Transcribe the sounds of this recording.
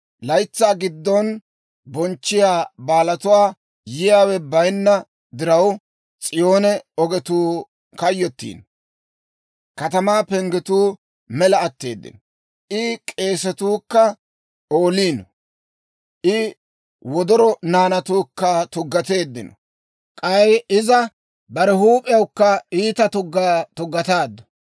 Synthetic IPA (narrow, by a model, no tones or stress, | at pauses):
lɐjt͡sːaːɡɪd̪ːɔn | bɔnt͡ʃːɪjaːbaːlɐt̪ʊwaː | jɪjaːwɛbɐjnːɐ | d̪ɪɾɐw | t͡sʼɪjo̞ːnɛɔɡɛt̪uː | kɐjːɔt̪ːḭːn | kɐt̪ɐmaːpɛŋɡɛt̪uː | mɛlɐːt̪ːe̞̰ːd̪ːɪ̰nɔ | ʔɪkʼe̞ːsɛt̪uːkːɐ | oːliːn | ʔɪ | wɔd̪ɔɾɔnaːnɐt̪uːkːɐt̪ʊɡːɐt̪e̞ːd̪ːɪnɔ̰ | kʼɐjɪzɐ | bɐɾɛhuːpʼɪjɐwkːɐiːt̪ɐt̪ʊɡt̪ʊɡːɐt̪aːd̪ːɔ̥